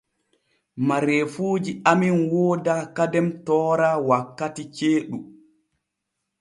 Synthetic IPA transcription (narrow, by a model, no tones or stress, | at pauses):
maɾefuːd͡ʒiaminwoːdakadɛmtɔːɾawakːatit͡ʃeːɗu